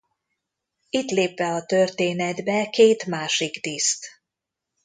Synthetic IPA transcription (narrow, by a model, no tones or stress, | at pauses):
it̪leːpʋɛɒt̪ørt̪eːnɛd̪bɛkeːt̪maːʃiɡd̪ist̪